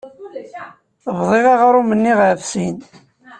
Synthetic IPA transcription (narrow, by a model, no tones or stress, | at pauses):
vðˤeʁɑʁɾumənːiʁʕfsin